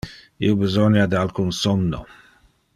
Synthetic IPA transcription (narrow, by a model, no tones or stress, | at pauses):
ḭobizɔnad̪ialkunsɔnːo̰